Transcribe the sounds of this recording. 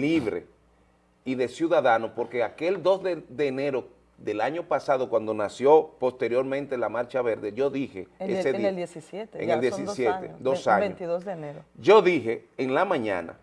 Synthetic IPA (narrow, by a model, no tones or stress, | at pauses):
liβɾḛ | iðe̞sjuðaðanopo̞ɾkeake̞ld̪o̞zðeðeːne̞ɾo | ðe̞laɲo̞pasaðo̞kwand̪o̞nasjo̞po̞st̪eɾjo̞ɾmẽnt̪elamaɾt͡ʃaβe̞ɾðeʝo̞ðixeeseðd̪esisjet̪eḛŋeld̪jesisjet̪ed̪osaɲeoiðozðeneɾoʝo̞ðixeːnlamãɲã̰na̰